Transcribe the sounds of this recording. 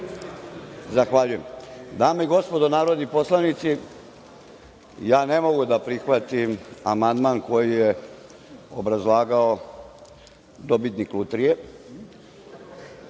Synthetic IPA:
zaxʋaʎuje̞md̪aːmeiɡo̞spo̞d̪onaːɾod̪nipo̞slˠaʋnit̪si | jaːne̞mo̞ɡud̪apɾixʋat̪imamand̪maːnko̞jije | obɾazlˠaːɡao | d̪obit̪niklut̪ɾije

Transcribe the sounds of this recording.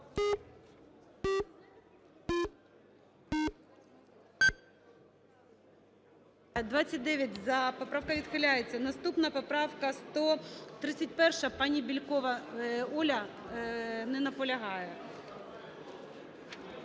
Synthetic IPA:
d̪ʋɑt͡sʲɐt̚ʲd̪ɛʋʲjɐt̚ʲzɐpɔpɾɑwkɐʋʲid̪xɪlʲajet͡sʲːɐnɐst̪upnɐpɔpɾɑwkɐst̪ɔt̪ɾɪt͡sʲːɐt̚ʲpɛrʃɐpɑnʲibʲilʲkɔʋɐɔlʲɐ | mnɛnɐpɔlʲɐɦɑjɛ

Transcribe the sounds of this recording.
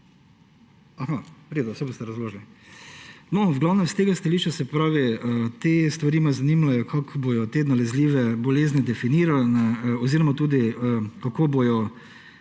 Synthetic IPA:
axaɾeːd̪ɔwsɛbost̪ɛɾɐzloːʒlɛ | nɔzɡlaːwnɛmst̪eɡast̪ɐliːʃt͡ʃasɛpɾaːʋiət̪est̪ʋaɾiːmazɐnimlajɔkʰakbojɔt̪ed̪nalɛzliːʋɛbɔleːznid̪ɛfiniːɾalnɛɔziːɾɔmat̪uːd̪iəkakoːbojɔ

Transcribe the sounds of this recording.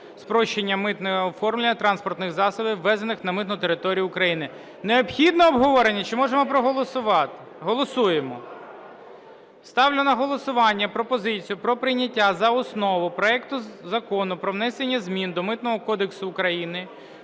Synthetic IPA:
spɾɔʃt͡ʃenʲːɐmɪt̪nɛɐɔfɔrmlʲenʲːɐt̪ɾɑnspɔrt̪nɪxzɑsɔbɪʋːɛzenɪxnɐmɪt̪nʊt̪eɾɪt̪ɔɾʲijʊːkɾɐjinɪ | neɔpxʲid̪nɔːbɦɔʋɔɾenʲːɐt͡ʃɪmɔʒemɔpɾɔɦɔlˠɔsʊʋɑt̪ | ɦɔlˠɔsujemɔ | st̪ɑwlʲʊnɐɦɔlˠɔsʊʋɑnʲːɐpɾɔpɔzɪt͡sʲijʊpɾɔpɾɪjnʲɐtʲːazɐɔsnɔʋʊpɾɔɛkt̪ʊzɐkɔnʊpɾɔʋnɛsenʲːɐzʲmʲind̪ɔmɪt̪nɔɦɔkɔd̪eksʊːkɾɐjinɪ

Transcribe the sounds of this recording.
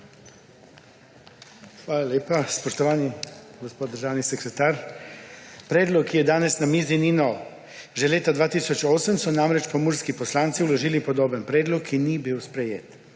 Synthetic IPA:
xʋaːlaljeːpaspoʃt̪oʋaːniɡospod̪d̪əɾʒaːwnisɛkɾɛt̪aːɾ | pɾeːd̪lɔkːijɛd̪aːnɛsnamiːzininɔw | ʒɛleːt̪ad̪ʋaːt̪isot͡ʃoːsəmsɔnamɾɛt͡ʃpomuːɾskiposlaːnt̪siuloʒiːlipod̪oːbənpɾeːd̪lɔkʰːinibiːwspɾejḛːt̪

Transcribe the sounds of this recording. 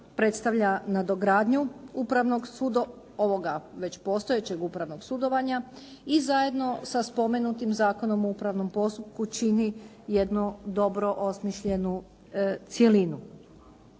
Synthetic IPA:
pɾe̞t̪st̪aʋʎanad̪o̞ɡɾaːd̪ɲuupɾaʋno̞ɡsud̪o | o̞ʋo̞ɡaʋe̞t͡ɕpo̞st̪o̞et͡ɕe̞ɡupɾaʋno̞ɡsud̪o̞ʋaɲa | izaje̞d̪no̞saspo̞me̞nut̪imzaːko̞no̞moupɾaʋno̞mpo̞st̪up̚kut͡ʃini | je̞d̪nud̪o̞bɾo̞ʔo̞smiʃʎe̞nu | t̪sje̞linu

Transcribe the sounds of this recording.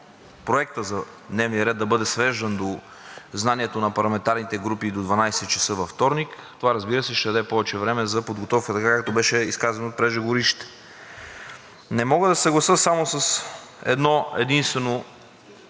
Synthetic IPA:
pɾoɛk̚t̪əzɐ | d̪nɛvniəɾɛd̪d̪ɐbɤd̪ɛsvɛʒd̪ɐnd̪o | znaniɛt̪onɐpɐɾlˠɐmɛnt̪aɾnit̪ɛɡɾupid̪od̪vɐnajsɛt̪t͡ʃɛ̥sɤvɐft̪ɔɾnikt̪ovaɾɐzbiɾəsɛʃt̪ɛd̪ɐd̪ɛpɔvɛt͡ʃɛvɾɛmɛzɐpod̪ɡot̪ɔfkət̪ɐkakak̚t̪obɛʃɛiskazɐnoːt̪̚pɾɛʒɛɡoɾiʃt̪ɛ̥ | nɛmɔɡəd̪ɐsɐɡlˠɐsɤsamosɐs | ɛ̰d̪nɔɛ̰d̪inst̪vɛno

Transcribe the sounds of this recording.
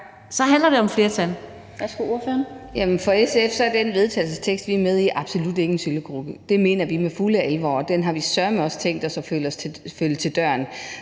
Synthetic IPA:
sɒ̽ɦænlɐɾe̝ɒ̽mfle̝ːɐt͡sʰæl | ʋæsɡ̥uoɐføːɐnjæmənfɒ̽esefsɒ̽æɐd̥enʋe̝ð̞ˠt͡sʰɛ̰ːɪlsəst͡sʰeɡ̥sd̥ʋiæɐmeð̞ˠiʔɑ̈b̥so̝lud̥e̝ŋɡən̩syləɡ̥ʁub̥əd̥e̝me̝ːnɐʋimefuləælʋɒ̰ːd̥enɦɑ̈ʋisɶɐmeɒ̽st͡sʰeŋ̰ɡd̥ɒsɒ̽følɒsʰfølət͡sʰe̝ld̥ɶɐ̰n

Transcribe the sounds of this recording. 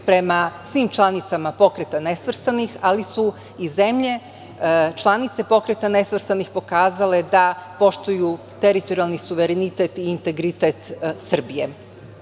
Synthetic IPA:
pɾe̞masʋimt͡ʃlˠanit̪samapo̞kɾet̪anesʋr̩st̪anixalisu | ize̞mʎe̞ | t͡ʃlˠanit̪se̞po̞kɾet̪ane̞sʋr̩st̪anixpo̞kaːzale̞d̪apo̞ʃt̪uju | t̪eɾit̪o̞ɾialˠnisuʋe̞ɾenit̪et̪iːnt̪e̞ɡɾit̪et̪sr̩bije̞

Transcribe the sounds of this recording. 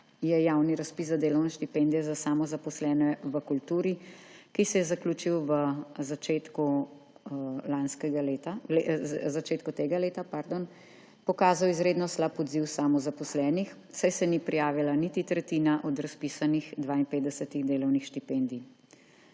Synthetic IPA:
jɛjawniɾaspiszad̪eːlɔwnɛʃt̪ipend̪ijɛzasaːmɔzapɔslɛːnɛʋəkult̪uːɾikisɛjɛzakluːt͡ʃiwʋəzat͡ʃet̪ku | lanskɛɡalet̪alezat͡ʃeːt̪kɔt̪eːɡaleːt̪apaɾd̪on | pɔkaːzawizɾeːd̪nɔslapɔd̪ziwsamɔzapɔslɛːnix | sajsɛnipɾijaːʋilanit̪it̪ɾɛt̪iːnaʔɔd̪ɾaspiːsanixd̪ʋaːinpeːt̪d̪ɛsət̪iɣd̪eːlɔwnixʃt̪ipend̪i

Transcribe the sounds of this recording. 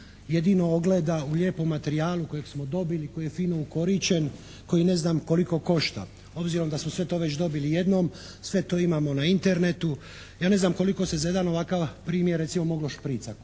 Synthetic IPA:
je̞d̪iːno̞oɡle̞ːd̪auʎʲeːpo̞mːat̪eɾiaːluko̞jeɡsmo̞d̪o̞biliko̞jijefiːno̞uko̞ɾit͡ɕe̞n | ko̞jine̞znamko̞liko̞ko̞ʃt̪a̰ | o̞bziɾo̞md̪asmosʋe̞t̪o̞ːʋe̞t͡ɕd̪o̞bilije̞d̪nom | sʋe̞t̪oːimamo̞naint̪e̞ɾne̞t̪u | jaːne̞znamko̞liko̞se̞zaje̞d̪ano̞ʋakaʋpɾiːmjeɾe̞t̪simo̞mo̞ɡloʃpɾiːt̪sak

